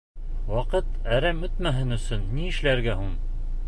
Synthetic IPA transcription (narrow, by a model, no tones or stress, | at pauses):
wɑqɤt̪æɾæmɵt̪mæɦɘnɵ̆sɵnːiɘ̆ʃlæɾɡæɦuɴ